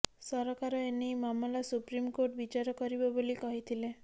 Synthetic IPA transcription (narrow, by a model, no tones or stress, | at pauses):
sɔɾɔkaɾɔenimamɔlasupɾimkoʈbit͡ʃaɾɔkɔɾibɔbolikɔɦit̪ʰile